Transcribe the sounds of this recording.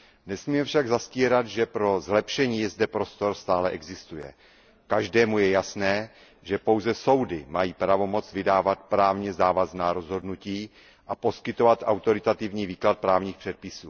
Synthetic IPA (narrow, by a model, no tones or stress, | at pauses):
nɛsmiːmɛfʃaɡzasciːɾat̪ʒɛpɾo̞zlɛpʃɛɲiːjɛzdɛpɾo̞st̪o̞ɾst̪aːlɛʔɛɡzɪst̪ujɛ̰ | kaʒdɛːmujɛjasnɛː | ʒɛpo̞wzɛso̞wdɪmajiːpɾavo̞mo̞t͡svɪdaːvat̪pɾaːvɲɛzaːvaznaːɾo̞zɦo̞dnuciː | ʔapo̞skɪt̪o̞vat̪ʔa̰wt̪o̞ɾɪt̪at̪ɪvɲiːviːklat̪̚pɾaːvɲiːxpr̝̥ɛt̪̚pɪsuː